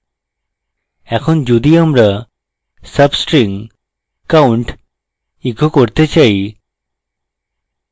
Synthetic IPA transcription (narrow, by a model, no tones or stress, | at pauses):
ɛkʰɔnd͡ʒud̪iamɾa | səbsʈɾiŋ | kauɳʈ | ikʰokoɾt̪et͡ʃaj